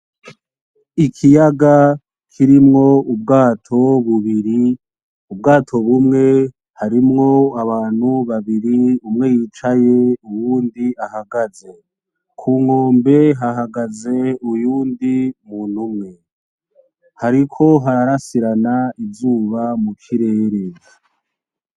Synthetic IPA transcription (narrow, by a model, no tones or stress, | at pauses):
ikʰijaɡa | kʰiɾimŋo̞ub̚ɡaːtʰo̞βuβiɾi | ubɡaːtʰo̞βumŋe̞ | haɾimŋo̞aβaːn̥huβaβiɾiumŋe̞jiːt͡ʃaje̞uwuːndiahaɡaze̞ | kʰuːŋo̞ːmbe̞ɦaɦaɡaze̞ujuːndimun̤̥umŋe̞ | haɾikʰo̞ɦaɾɾasiɾanaivzuːβamukʰiɾe̞ːɾe